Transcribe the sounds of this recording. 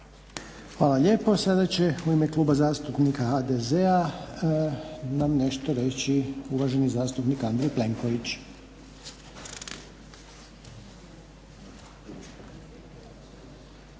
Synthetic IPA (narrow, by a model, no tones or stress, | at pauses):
xʋaːlˠaʎʲe̞ːpo̞sad̪at͡ɕe̞uimeklˠuːbazaːst̪upnikaxaːd̪ezea | namne̞ʃt̪oɾe̞t͡ɕiuʋaʒe̞nizaːst̪upnikand̪ɾejple̞ŋko̞ʋit͡ɕ